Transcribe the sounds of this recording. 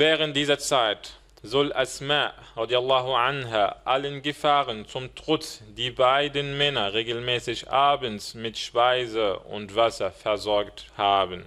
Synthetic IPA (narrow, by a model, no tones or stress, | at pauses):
vɛːʁənt̚d̥iːzɐt͡saɪt | zɔlʔasmaːʔʁɑdialaːɦʊʕanɦaːʔalənɡəfaːʁənt͡sʊmtʁ̥ʊt͡sd̥iːbaɪdənmɛnɐʁeːɡl̩mɛːsɪçʔaːbənsmɪtʃpaɪzəʊ̰ntv̥asɐfɛɐzɔɐkthaːbən